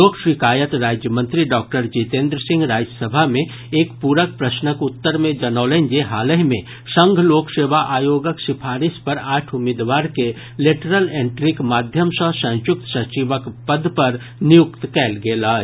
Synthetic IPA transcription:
loːkʰʃɪkaːjət̪ɾaːd͡ʒjəmə̃nt̪ɾiɖɔːk̚ʈəɾd͡ʒit̪ẽːnd̪ɾəsɪ̃ŋɡɾaːd͡ʒəsəbʱamẽ | eːkpuːɾək̚pɾəsnəkʊt̪ːəɾmẽd͡ʒɐnaːlẽnd͡ʒeɦaːləɦmẽ | sə̃ŋɡʱloːkseːʋaʔaːjoːɡəksɪpʰaːɾɪspɐɾaːʈʰʊmɪːd̪ʋaːɾke | leːʈəɾəlẽːɳʈɾɪkmaːd̪ʱjəmsə̃sɐ̃jʊk̚t̪sɐt͡ʃiʋəkpəd̪pɐɾ | nɪjʊkt̪kɛːlɡelaː

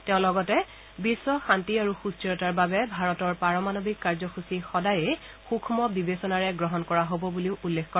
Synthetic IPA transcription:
tɛʊ̃lɔɡɔtɛ | bisːɔxantiaɹuxustiɹɔtaɹbabɛbʱaɹɔtɔɹpaɹɔmanɔbikːaɹzɔxusixɔdaje | xukʰmɔbibesɔnaɹɛɡɹɔɦɔnkɔɹaɦobɔbuliʊulːekʰkɔ

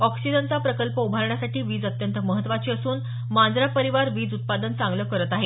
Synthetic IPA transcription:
ɔksid͡ʑənt͡sapɾəkəlpəubʱaɾɳasaʈiːʋiːd͡zət̪jənt̪əməɦət̪ːʋat͡ɕiːəsuːn | mand͡zɾapəɾiʋaɾʋiːd͡zut̪̚pad̪ənt͡sãŋɡləːkəɾət̪aɦe

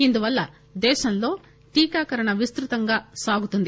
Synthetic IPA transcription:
ind̪uʋɐlːɐ | d̪ɛːʃɐnlo̞ː | ʈiːkaːkɐɾɐɳɐʋist̪ɾut̪ɐŋɡaːsaːɡut̪und̪i

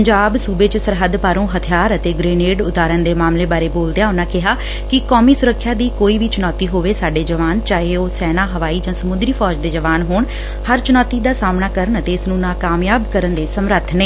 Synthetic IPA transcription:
əɲd͡ʒaːbsuːbeːt͡ʃsəɾɦəd̪paːɾõːɦət̪ʰɪjaːɾət̪eːɡɾeːneːɖʊt̪aːɾənd̪eːmaːmleːbaːɾeːboːld̪ejãːʊnãːkɪɦaː | kɪkɔːmiːsʊɾəkʰːjaːd̪iːkoːiːʋiːt͡ʃʊnɔːt̪iːɦoːʋeːsaːɖeːd͡ʒəʋaːnt͡ʃaːɦeːoːsɛːnaːɦəʋaːiːd͡ʒãːsəmʊnd̪ɾiːpʰɔːd͡ʒd̪eːd͡ʒəʋaːnɦoːɳ | həɾt͡ʃʊnɔːt̪iːd̪aːsaːmnaːkəɾəɳət̪eːɪsnũːnãːkaːmjaːbkəɾənd̪eːsəmɾət̪ʰneː

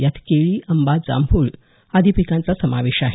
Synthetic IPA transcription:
jat̪keɭiːʔəmbad͡za̰mbʱuːɭ | ad̪ʱipikãnt͡sasəmaʋeɕaɦe

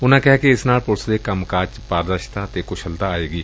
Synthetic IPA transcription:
ʊnãːkɛɦkeɪsnaːlpʊlsd̪eːkəmkaːt͡ʃpaːɾd̪əɾʃt̪aːt̪eːkʊʃʰəlt̪aaːeːɡiː

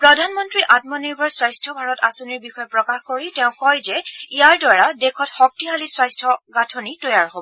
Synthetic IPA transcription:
pɹɔdʱanmɔntɹiʔat̚mɔniɹbʱɔɹswajstʰɔbʱaɹɔtasoniɹbixɔjɛpɹɔkaxkoɹitɛʊ̃kɔjzɛijaɹdɔɹadekʰɔtxɔk̚tiɦaliswajstʰɔɡatʰonitɔjaɹɦobɔɔ

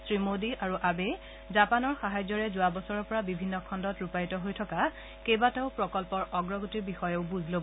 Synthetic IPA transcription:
sɹimodiʔaɹuʔabe | zapanɔɹxaɦajzɔɹɛzʊabɔsɔɹɔɹpɔɹabibʱinːɔkʰɔndɔtɹupajtɔɦojtʰɔka | kejbataʊpɹɔkɔlpɔɹɔɡɹɔɡotiɹbixɔjɛʊbuzʱlob

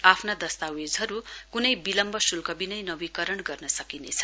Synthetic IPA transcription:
apʰnad̪ʌst̪awed͡zɦʌɾukunʌjbilʌmbʌsulkʌbinʌjnʌbikʌɾʌɳɡʌrnʌsʌkinḛt͡sʰʌ̥

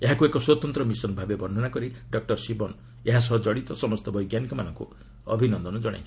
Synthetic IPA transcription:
eɦakuekɔswɔt̪ɔnt̪ɾɔmisɔnbʱabebɔnɖʱɔnakɔɾiɖɔk̚ʈɔɾsibɔn | eɦas̬ɔɦɔd͡ʒɔɽit̪ɔsɔmɔst̪ɔbɔjɡjanikɔmanɔŋkṵ | ɔ̰bʱinɔnd̪ɔnɔd͡ʒɔɽ̃a̰jt͡ʃʰ

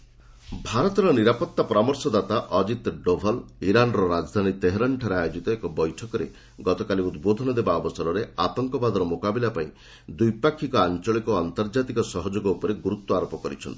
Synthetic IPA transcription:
bʱaɾɔt̪ɔɾɔniɾapɔt̪ːapɔɾamɔɾsɔd̪at̪aʔɔd͡ʒit̪ɖobʱɔliɾanɔɾɔɾad͡ʒd̪ʱanit̪eɦɾaɳʈʰaɾeajod͡ʒit̪ɔekɔbɔjʈʰɔkɔɾe | ɡɔt̪ɔkaliud̪bod̪ʱɔnɔd̪ebaɔbɔsɔɾɔɾeat̪ɔŋkɔbad̪ɔɾɔmokabilapaĩ | d̪ujpakʰːikɔant͡ʃɔɭikɔant̪ɔɾd͡ʒat̪ikɔsɔɦɔd͡ʒoɡɔupɔɾeɡuɾut̪ːɔaɾopɔkɔɾḭt͡ʃʰɔnt̪i̥

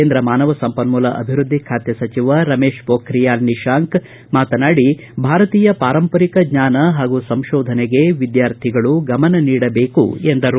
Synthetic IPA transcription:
eːnd̪ɾɐmaːnɐʋɐsɐmpɐnmulɐʔɐ̰bʱiɾud̪ʱːikʰaːt̪jɐsɐt͡ʃiʋɐɾɐmeːʃpoːkɾijaːlniʃaːŋk | maːt̪ɐnaːɽi | bʱaːɾɐt̪iːjɐpaːɾɐmpɐɾikɐɡɲaːnɐɦaːɡusɐmʃɔːd̪ʱɐneɡe̞ʋid̪jaːɾt̪ʰiɡɐɭuɡɐmɐnɐniːɽɐbe̞ːkṵend̪ɐɾu

